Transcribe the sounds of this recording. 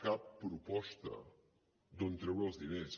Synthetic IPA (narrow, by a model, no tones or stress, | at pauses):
kapːɾupɔst̪ə̰ | d̪ont̪ɾewozd̪ines